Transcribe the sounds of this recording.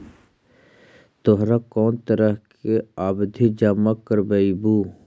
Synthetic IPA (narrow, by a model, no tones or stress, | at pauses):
t̪oɦɾakɔːnt̪əɾəɦkeaːbd̪ʱid͡ʒamakːəɾbəibu